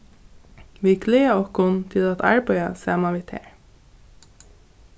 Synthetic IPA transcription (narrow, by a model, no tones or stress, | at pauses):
ʋiːkʰleːɑɔkʊnt̪ʰɪlɑt̪ɑ̰ɹbœʏɑ̰sɑːmɑʋiːt̪ʰḛːɹ